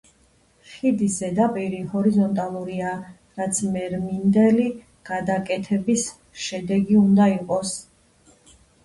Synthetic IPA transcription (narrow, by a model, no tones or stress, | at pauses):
χid̪isɛd̪apʼɛɾihɔɾizɔnt̪ʼalˠuɾia | ɾat̪sʰmɛɾmind̪ɛli | ɡ̥ad̪akʼɛt̪ʰɛbis | ʃɛd̪ɛɡiund̪aiqʼɔs